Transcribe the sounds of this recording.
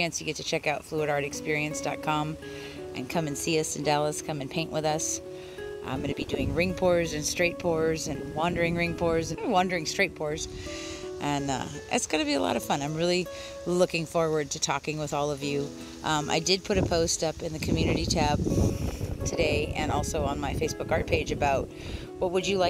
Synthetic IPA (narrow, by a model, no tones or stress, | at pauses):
ɨ̃nsjɨɡɛtʰɨt͡ʃʰɛkaʊtfluəɾɑɹɾɨkspɪɹiɨ̃nsd̥ɑ̰t̚kʰɑ̃m | ʔɨ̰̃nkʰʌ̃mɨ̃nsiʌsɨ̃n̩dælˠəskʰʌ̃mɨ̃npʰẽɪ̃nʔwʔəðʌs | ʔã̰ɪ̃mɡʌnɨbidʉɪ̃ŋɹɪ̃ŋpʰɔɹzɨ̃nstɹ̥eɪt̚pʰɔɹzɨ̃nwɑ̃ndə˞ɪ̃ŋɹɪ̃ŋpʰɔɹzɨ̃nwɑ̃ndə˞ɪ̃ŋstɹ̥eɪt̚pʰɔɹz̥ | ʔɨ̃nʌ̰ʔɪ̰tsɡ̥ʌnɨbiəlɔ̰ɾʌv̥fʌ̃nãɪ̃mɹɪlˠi | lʊkɪ̃ŋfɔɹwə˞d̚tʰɨtʰɔ̰kɪ̃ŋwəðɔlˠʌvjʉ | ʔʌ̃mʔa̰ɪdɨd̚pʰʊɾɨpʰoʊstʌpɨ̃nðɨkʰmjʉnɨɾit͡ʃʰæb̥̚ | tʰɨdeɪɨ̃nɔlˠsoʊə̃nmaɪfeɪsb̥ʊkɑɹt̚pʰeɪd͡ʒɨbaʊt̚ | wʌt̚wɨd͡ʒɨlaɪ